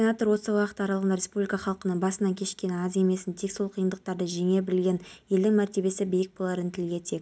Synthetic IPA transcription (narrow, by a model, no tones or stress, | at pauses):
enat̪oɾwo̞səwɑqət̪ːəɑɾɑlˠʁɑnɾʲe̞spublʲikɑχɑlˠqənəɴbɑsənɑkʲʰe̞ʃkʲe̞nɑze̞me̞sɪnt̪ʰe̞kso̞lˠqʰəjənd̪əq̚t̪ɑɾd̪əʒe̞ŋe̞bɪlɡʲe̞nje̞ld̪ɪŋmæɾt̪e̞be̞sɪbijɪk̚bo̞lˠɑɾənt̪ʰɪlɡʲe̞t̪ʰe̞k